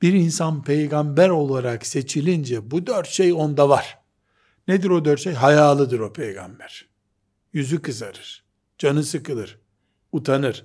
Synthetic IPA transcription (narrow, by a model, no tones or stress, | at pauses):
b̥iɾinsanpʰejɡambæɾo̞lˠaɾakse̞t͡ʃʰilʲind͡ʒɛbud̪øɾt̪ʃejo̞nd̪avaɾ̥ | ned̪iɾo̞d̪øɾt̪ʃejɦajaːlˠɯd̪ɯɾo̞pʰejɡa̰mbæɾ̥ | jyzykɯzaɾɯɾ̥ | d͡ʒanɯsɯkɯlˠɯɾ̥ | ut̪ʰanɯɾ̥